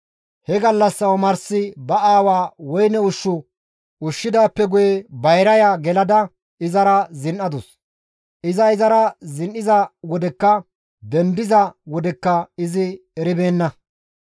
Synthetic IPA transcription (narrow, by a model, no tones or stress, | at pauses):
hɛɡɐlːɐsːɐwmɐɾsɪbɐaːwaːwɔjnɛʊʃːʊ | ʊʃːɪd̪aːpːɛɡʊjɛbɐjɾɐjaːɡɛlɐd̪ɐ | ɪzɐɾɐzɪnʔɐd̪ʊs | ʔɪzɐɪzɐɾɐzɪnʔɪzɐwɔd̪ɛkːɐ | d̪ɛnd̪ɪzɐwɔd̪ɛkːɐɪzɪ | ɛɾɪbe̞ːnːɐ